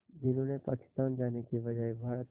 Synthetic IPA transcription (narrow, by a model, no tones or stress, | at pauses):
d͡ʒɪnũnepa̰ːkɪ̥st̪aːnd͡ʒaːnekiʋɐd͡ʒaebʱaːɾət̪